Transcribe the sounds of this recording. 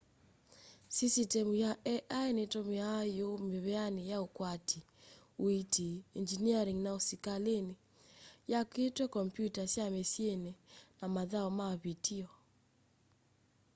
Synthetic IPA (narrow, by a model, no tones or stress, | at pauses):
sisitɛmujaʔɛʔaenetɔmiajomeβɛanejaokwatʰi | witʰiːnd͡ʒiniaɾiŋnaosikalene | jaketwɛkɔmpjutasjamesjenenamaðaɔmaβitʰiɔ